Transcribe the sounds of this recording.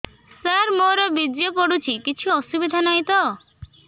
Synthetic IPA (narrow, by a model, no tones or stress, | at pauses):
saɾmoɾɔbid͡ʒjɔpɔɽut͡ʃʰikit͡ʃʰuɔsubid̪ʱanaj̃t̪ɔ